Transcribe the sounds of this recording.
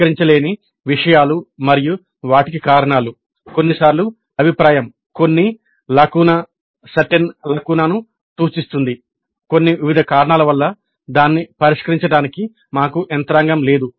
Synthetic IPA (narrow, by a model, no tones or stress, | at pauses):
ɐɾiɲt͡ʃɐle̞ːni | ʋiʂɐjaːlumɐɾiju | ʋaːʈikikaːɾɐɳaːlu | ko̞nːisaːɾlu | ɐbʱipɾaːjɐm | ko̞nːi | lɐkuːnɐ | sɐʈenlɐkuːnaːnu | t̪uːt͡ʃist̪und̪i | ko̞nːiʋiʋid̪ʱɐkaːɾɐɳaːlɐʋɐlːɐ | d̪aːnːipɐɾiʂkɐɾiɲt͡ʃɐɽaːniki | maːkuʔent̪ɐɾaːŋɡɐmle̞ːd̪u